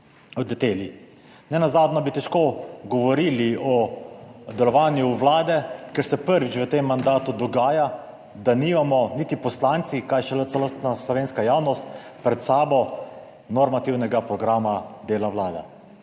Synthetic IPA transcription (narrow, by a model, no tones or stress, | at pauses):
ɔd̪lɛt̪eːli | nɛnazaːd̪nɔbit̪ɛʃkoɡɔʋɔɾiːliɔ | d̪ɛlɔʋaːnjuːwlaːd̪ɛkɛɾsɛpəɾʋit͡ʃʋət̪emːand̪aːt̪ud̪ɔɡaːja | d̪aniːmamɔnit̪ipɔslaːnt̪sikajʃɛləst̪naslɔʋeːnskajaːwnɔst̪ | pɾɛt̪saːbɔ | nɔɾmat̪iwnɛɡapɾɔɡɾaːmad̪eːlawlaːd̪a̰